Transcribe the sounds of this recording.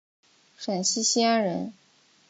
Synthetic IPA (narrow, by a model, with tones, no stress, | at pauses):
ʂa˨˩nɕi˥ɕi˥a˥ɻə˧˥n